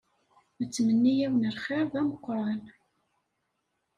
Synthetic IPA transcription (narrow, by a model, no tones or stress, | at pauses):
mət͡sːmənːijæwənəlχɪɾˤðæməqːɾˤɑn